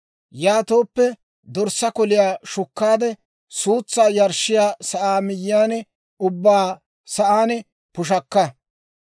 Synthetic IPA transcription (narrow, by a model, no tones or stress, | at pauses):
jaːt̪o̞ːpːɛ | d̪ɔɾsɐkɔlɪjaːʃʊkːaːd̪ɛ | suːt͡sːaːjɐɾʃːɪjaːsɐʔaːmɪjːaːnɛ | ʊbːaː | sɐʔaːnɛ | pʊʃ̬ɐkːɐ